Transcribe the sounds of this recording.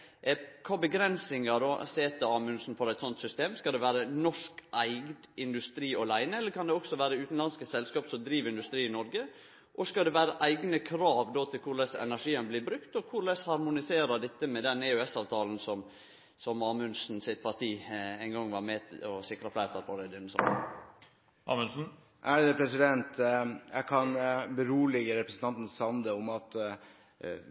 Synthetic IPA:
kʰɑːbəɡɾɛnsɪŋɑd̪oːseːt̪əɑːmʉnsn̩fɔɾæɪt̪sɔnt̪sʏst̪eːmskɑld̪ɛʋæːɾənɔʂkʔæɪɡd̪ɪnd̪ʉst̪ɾiːɔlæɪnəɛlːəɾkʰɑnd̪ɛɔksɔʋæːɾəʉːt̪n̩lɑnskəsɛlskɑːpsɔd̪ɾiːʋɪnd̪ʉst̪ɾiːɪnɔɾɡə | ʔɔskɑld̪ɛʋæːɾəʔæɪɡnəkʰɾɑːʋd̪oːt̪ʰɪlkʰʊɾlɛsɛ̰næʂiːənblɪbɾʉkt̪ɔkʰʊɾlɛshɑɾmʊnɪseːɾəɖ̪ɛt̪ːəmɛd̪ɛnɛʉɛsɑːʋt̪ʰɑːln̩sɔm | sɔmɑːmʉnsn̩sɪt̪̚pʰɑʈ̪iːæɪnɡɔŋːʋɑɾmɛt̪ɔsɪkɾɑflæɪɾt̪ɑɾpʰɔɾɛd̪ɛnːsɔ̰n̰ | ʔɑ̰mʉnsn̩ | ʔæɖɛɛpʰɾɛsɪd̪ɛnt̪jækʰɑnbəɾuːlɪɡəɾɛpɾəsən̩t̪ʰɑnt̪n̩sɑnd̪əɔmɑt̪

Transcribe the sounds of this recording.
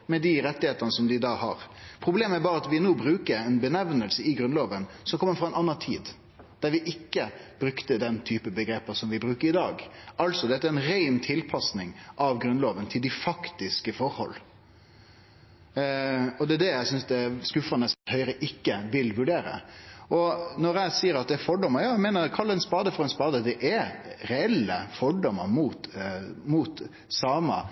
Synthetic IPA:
mɛd̪ɪɾɛt̪ːɪheːt̪ɑnəsɔmd̪ɪd̪ɑːhɑ̰ɾpʰɾʊbleːmæɾbɑːɾəɑt̪ʋɪnoːbɾʉːkəɾɛnbənæʋnəlsəɪɡɾʉnloːʋənsɔmkʰɔmːəɾfɾʁɑɛnʔɑnːɑnt̪ʰḭːd̪ | d̪̥æɾʋɪʔɪkːəb̥ɾʉkt̪əd̪ɛnt̪ʰyːpəbəɡɾeːpəsɔmʋɪbɾʉːkəɾɪd̪ɑːɡʔɑlsɔd̪ɛt̪ːæɾɛnɾæɪnt̪ʰɪlpʰɑsnɪŋʔɑʋɡɾʉnloːʋənt̪ʰɪld̪ɪfɑkt̪ɪskəfɔɾhɔ̰l | ɔd̪ɛæd̪ɛjæɪsʏnsd̪ɛskʉfənəst̪hœʏɾəʔɪkːəʋɪlʋʉɖeːɾə̰ʔɔnɔɾjæɪsiːəɾɑt̪̚d̪ɛːɾfɔɖɔmːəɾjɑːæɪmeːnəɾkʰɑlːɛɪnspɑːd̪əfɔɾɛɪnspɑːd̪əd̪ɛʔæɾɛɛlːəfɔɖɔməɾmuːt̪muːt̪ | sɑːmɑ̰

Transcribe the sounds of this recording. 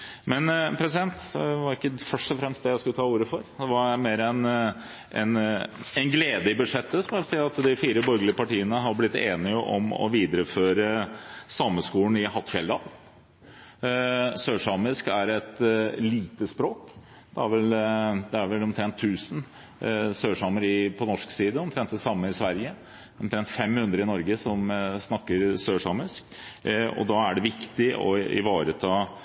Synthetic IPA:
mɛnpʰɾɛsɪd̪ɛnt̪ɛʋɑɾɪkːəfœʂʈɔfɾɛmst̪̚d̪ɛjæɪskʉət̪ʰɑːuːɾəfɔɾd̪ɛʋɑmeːɾəɛn | ʔɛ̰nɛnɡleːd̪əɪbʉʂɛt̪ʰːəsɔmʋɛlsiːɑt̪d̪ɪfiːɾəbɔɾɡəlɪəpɑʈiːənəɦɑɾblɪt̪ːḛːnɪəʔɔ̰mɔ̰ʋiːd̪əɾəføːɾəsɑmːəskuːɳɪɦɑt̪ːfɛləd̪ɑːl | søːʂɑmɪskæɾɛt̪liːt̪əspɾoːk | d̪̥ɛæɾʋɛld̪ɛæɾʋɛlɔmt̪ʰɾɛnt̪ʰːʉːsən | søːʂɑməɾɪpʰɔnɔʂksiːd̪əɔmt̪ʰɾɛnt̪̚d̪ɛsɑmːəɪsʋæɾjə | ɔmt̪ʰɾɛnt̪fɛmːhʉnd̪ɾəɪnɔɾɡəsɔmsnɑkːəɾsøːʂɑmɪsk | ɔ̰d̪ɑæɖɛʋɪkt̪ɪɔ̰ɪ̰ʋɑːɾət̪ʰɑː

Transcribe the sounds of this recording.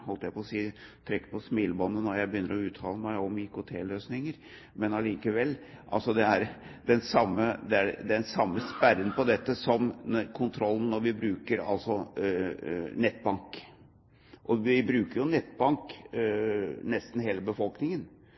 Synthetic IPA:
hɔlt̪əjæɪpʰɔsiːt̪ʰɾɛkːə̥pʰɔsmiːlbɔnːənɔɾjæɪbəjʏnːəɾɔʉːt̪ʰɑːləmæɪɔmɪkʊt̪ʰḛːløːsnɪŋəɾ | mɛnɑliːkəʋɛlː | ʔɑ̰lsɔd̪ɛæɾd̪ɛnsɑmːəd̪ɛæd̪ɛnsɑmːəspæɾənpɔd̪ɛt̪ːəsɔmkʰʊnt̪ʰɾɔlːn̩nːɔɾʋɪbɾʉːkəɾɑ̰lsɔ | nɛt̪ːbɑŋk | ʔɔʋɪbɾʉːkəɾjʊnɛt̪ːbɑŋk | nɛst̪n̩ɦeːləbəfɔlknɪŋən

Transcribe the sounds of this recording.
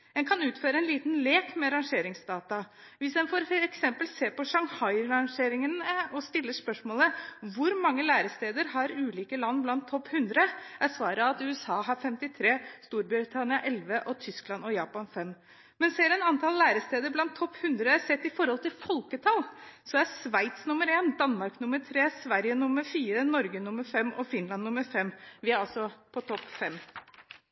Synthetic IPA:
ɛnkʰɑnʉːt̪føːɾəɛnliːt̪nleːkmɛɑɾɑŋʂeːɾɪŋsd̪ɑːt̪ɑʋɪsd̪ɛnfɔɾɛksɛmpəlseːpɔʂɑŋhɑɪɾɑŋʂeːɾɪŋənəɔst̪ɪlːəʂpœʂmoːləʋʊɾmɑŋːəlæːɾəst̪eːd̪əɾɦɑɾʉːliːkəlɑnːblɑnt̪ʰːɔpːhʉnd̪ɾəʔæsʋɑːɾəɑt̪ʉːɛsɑːɦɑɾfɛmt̪ɪt̪ʰɾeːst̪uːɾbɾɪt̪ʰɑnɪɑʔɛlʋəʔɔt̪ʰʏsklɑnɔjɑːpɑnfɛmː | mɛnseːɾɛnɑnt̪ʰɑlːæːɾəst̪eːd̪əɾblɑnt̪ʰːɔpːhʉnd̪ɾəsɛt̪ːɪfɔɾhɔlt̪ɪlfɔlkət̪ʰɑlsɔæsʋæɪt̪snʊməɾeːnd̪ɑnmɑɾknʊməɾt̪ʰɾeːsʋæɾjənʊmːəɾfiːɾənɔɾɡənʊmːəɾfɛmːɔfɪnlɑnːʊməɾfɛmːʋɪæɾɑlsɔpʰɔt̪ʰɔpːfɛm

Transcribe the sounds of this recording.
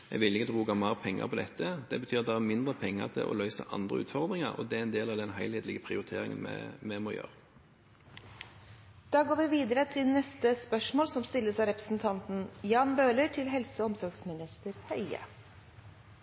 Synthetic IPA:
ɛ̰ʋɪlːɪkət̪ʰbuːɡɑmɑʁpʰɛŋːɑ̰pʰɔd̪ɛt̪ʰːəd̪ɛbət̪ʰyːʁɑt̪d̪ɛæmɪnd̪ʁəpʰɛŋːə̰ʁt̪ʰɪ̰lʔɔ̰lœʏsə̰ʔɑ̰nd̪ʁə̰ʉ̰ːt̪fɔʁd̪ʁɪŋɑʁɔ̰d̪ɛæɾɛnd̪eːlɑʋd̪ɛnɦæɪheːd̪lɪɡəpʰʁɪʊʁɪt̪ʰeːʁɪ̰ŋə̰nmɛ̰mɛmoːjø̰ːʁ | d̪̥ɑːɡoːɾʋɪʋiːd̪əɾət̪ʰɪlnɛst̪əspœʂmoːlsɔmst̪ɪlːəsɑɾɛpɾəsn̩t̪ʰɑnt̪n̩jɑːnbøːləʈʰɪlɦɛlsəɔmsɔɾɡsmɪnɪst̪əɾhœʏə̰

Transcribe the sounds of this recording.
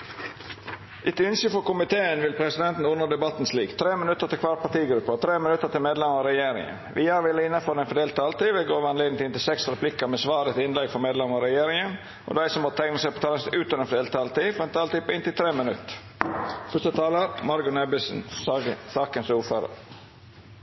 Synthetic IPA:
ʔɪt̪ʉnsəfɔɾkʊmɪt̪ʰeːənʋɪlpʰɾɛsɪd̪ɛnt̪n̩ʊnːəd̪ɛbɑt̪nsliːkt̪ʰɾeːmɪnʉt̪ːəɾt̪ɪkʋɑːɾpʰɑt̪iːɡɾʉpːəɔt̪ʰɾeːmɪnʉt̪ːət̪ɪlmeːd̪lɛməɾɾɛjeːɾɪ̰ŋə̰nʋʔɪːhɑɾʋɪlːəɪnːəføːɾd̪ɛnfɔɖ̪eːlt̪ʰːɑːlt̪iːʋɛɡoːʋɑnleːd̪nŋ̩t̪ʰɪnt̪ɪlsɛksɾɛplɪkəɾmɛsʋɑːɾət̪ɪɪnlɛɡfɔɾmeːd̪lɛmɑɾɛjeːɾɪŋən | ʔɔ̰d̪æɪsɔmːɔt̪ʰɛŋnəsæɪpɔt̪ʰɑːlənsʉːt̪əɛnfɖ̪eːlt̪ʰːɑːlt̪iːfɾɛnt̪ʰɑːlt̪iːpɪnt̪ɪlt̪ʰɾeːmənʉt̪ːə̥ | fœst̪ət̪ʰɑːləɾmɑɾɡʉnɛbɪsn̩sɑːkənsuːɾføːɾə̰ɾ

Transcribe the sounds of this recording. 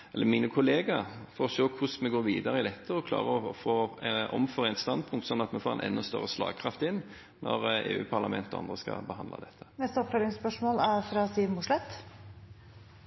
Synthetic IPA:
ɛlːəɾmiːnəkʰʊleːɡɑfɔɾɔʃoːkʰʊsmɛɡoːɾʋiːd̪ɑɾəɪd̪ɛt̪ʰːəɔkʰlɑ̰ːʁəɔfoːʔɔmføːɾæɪnt̪st̪ɑnd̪̚pʰʊŋkt̪sɔnːɑt̪mɛfoːʁɛ̰ɪnʔɛ̰nːɔst̪œ̰ɾːəslɑ̰ːɡ̚kʰɾɑft̪ɪnː | nʔɔɾeːʉ̰ːpʰɑɾlɑmɛnt̪ɔɑ̰nd̪ʁəskɑ̰bəhɑnd̪lɑ̰d̪ɛt̪ʰːə̥nɛst̪əɔpfløːɾɪŋspœʂmoːlæɾfɾɑsiːʋmʊʂlɛt̪

